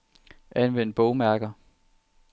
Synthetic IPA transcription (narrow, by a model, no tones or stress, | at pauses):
ʔænʋen̰d̥̚b̥ɔʊmæɐɡ̥ɐ